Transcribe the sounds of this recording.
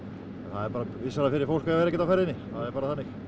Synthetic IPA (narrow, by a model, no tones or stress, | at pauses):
ɛnθaðɛɾpaːɾavɪsaɾafɪɾɪɾfowl̥kaɣvɛɾɛcɛt̪awfɛɾðɪnɪθaðɛɾpaːɾaθanːɪx